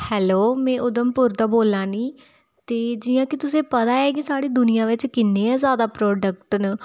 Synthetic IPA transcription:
hɛːloːmɛ̃ːʔʊd̪əmpʊɾt̪aːboːlãːniː | t̪eːd͡ʒɪjãːkɪt̪ʊsẽːpət̪aːɛːɡiːsaːɽiːd̪ʊnɪjãːʋɪt͡ʃkɪnːeːɛ̃ːzaːd̪aːpɾɔːɖək̚ʈn

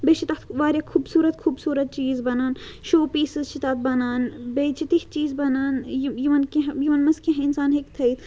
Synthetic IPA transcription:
bet͡ʃit̪aːt̪ʋaːɾjakʰuːbsuːɾɐt̪kʰuːbsuːɾɐt̪̚t͡ʃiːzbɐnaːn | ʃoːpiːsizt͡ʃʰit̪aːt̪̚bɐnaːnbet͡ʃit̪iht͡ʃiːzbɐnaːnjjiʋɐnkiɦjiʋɐnmɐskĩɦinsaːnɦekt̪ʰɐit̪ʰ

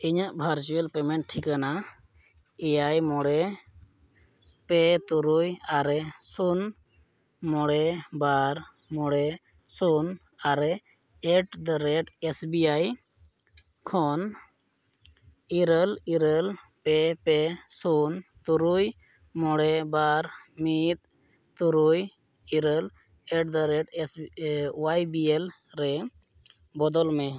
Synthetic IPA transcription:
iɲaʔbʱaɾt͡ʃuelpɛmɛɳʈʈʰikana | ɛjajmɔɽɛ | pɛt̪uɾujaɾɛsun | mɔɽɛbaɾ | mɔɽɛ | sun | aɾɛ | ɛʈd̪əɾɛʈesbiaj | kʰɔn | iɾəliɾəlpɛpɛsunt̪uɾuj | mɔɽɛbaɾmit̪̚ | t̪uɾuj | iɾəl | ɛʈ̚d̪əɾɛʈswajbiel | ɾɛ | bɔd̪ɔlmɛ

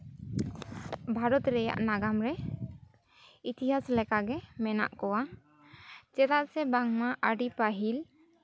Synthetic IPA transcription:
bʱaɾɔt̪ɾɛja̰ʔnaɡamɾɛ | it̪iɦaslɛkaɡɛmɛna̰ʔkɔwa | t͡ʃɛt̪aʔ̪̚sɛbaŋmaʔaɖipaɦil

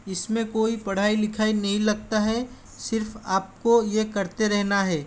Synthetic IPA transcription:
ɪsmẽkoːipɐɽ̤aːilɪkʰaːinɐɦĩlɐɡ̚t̪aɦɛ | sɪɾfaːp̚kojekɐɾt̪eɾɛɦnaɦɛː

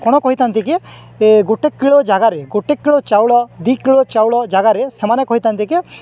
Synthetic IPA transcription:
kɔɽ̃ɔkɔɦit̪ant̪ike | eɡoʈekːiɭɔd͡ʒaɡaɾeɡoʈekːiɭɔt͡ʃawɭɔd̪ikiɭɔt͡ʃawɭɔd͡ʒaɡaɾesemanekɔɦit̪ant̪ike

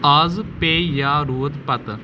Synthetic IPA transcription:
aːzpeːjaːɾuːd̪pɐt̪

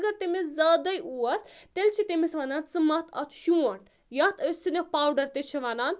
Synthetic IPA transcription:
ɡɐɾt̪emeszaːd̪ɐjuɐst̪elʲt͡ʃʰit̪emesʋɐnaːnsɨmɐt̪ʰɐt̪ʰʃuɐɳ | jɐt̪ɐsinʲepaːwɖɐɾt̪et͡ʃʰiʋanaːn

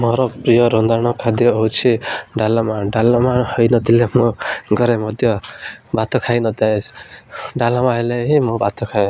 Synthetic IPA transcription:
mɔɾɔpɾijɔɾɔnd̪aɽ̃ɔkʰad̪jɔɔwt͡ʃʰiɖalɔmaɖalɔmahɔjnɔt̪ilemũɡɔɾemɔd̪ʱjɔbat̪ɔkʰajnɔt̪aesɖalamaɦeleɦimũbat̪ɔkʰa

